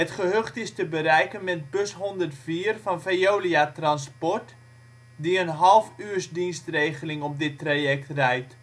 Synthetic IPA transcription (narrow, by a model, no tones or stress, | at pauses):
ətχəɦøχtɪstəbəɾɛjkənmɛt̚bøsɦɔndərtfiːərfɑnfejoːliatrɑnspɔrt | diənɦɑlˠfyərsdinstrejχəlɪŋɔp̚dɪtrajɛk̚trɛjt